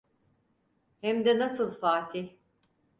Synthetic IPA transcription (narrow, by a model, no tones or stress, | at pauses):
hɛmd̪ɛnasɯlˠfaːt̪ʰi